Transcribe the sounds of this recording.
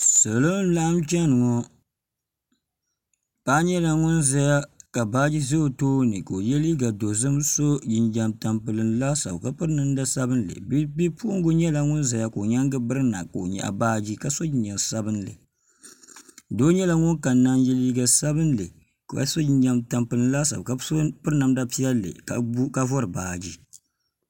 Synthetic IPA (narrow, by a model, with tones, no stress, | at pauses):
sɨ˨lo˦n˦la˦ʔa˦mt͡ʃɛ˦nɨ˨ŋɔ˦ | paː˦ɲɛ˦la˦ŋʊ˦nza˦ja˦ka˨baː˦d͡ʒi˦ze˦o˨toː˦nɨ˨ko˨o˨jɛ˦liː˦ɡa˨do˨zɨ˦mso˦d͡ʒɪ˨nd͡ʒa˨mta˨mpɨ˨lɨ˨n˦la˦sa̰˨bka˦pɨ˦ɾnɨ˦n˦da˦sa˦bɨ˦n˦lɨ̰˨˦bi˦pu˦ʊ˦ŋ˦ɡʊ˦ɲɛ˦la˦ŋʊ˦nza˨ja˦ko˨ɲa˦ŋɡɨ˦bɨ˦ɾɨ˦na̰˨ka˨o˨ɲɛ̰˨ʔa̰˨baː˦d͡ʒi˦ka˨so˦d͡ʒɪ˨˦ɲd͡ʒa˨nsa˦bɨ˦n˦lɨ̰˨ | do˦ɲɛ˦la˦ŋʊ˦nka˨na˦njɛ˦liː˦ɡa˨sa˦bɨ˦n˦lɨ˨ | ka̰˨so˦d͡ʒi˦ɲd͡ʒa˦mta˨mpɨ˨lɨ˨n̩˦la˦sa̰˨bka˨˦pɨ˦ɾnɨ˨mda˦pi˦ɛ˦lːɨ̰˨ka˨˦ka˦vɔ˦ɾɨ˨baː˨d͡ʒi˦